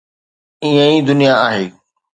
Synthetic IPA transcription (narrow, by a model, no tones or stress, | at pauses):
ĩə̃ĩd̪ʊnijaaːɦeː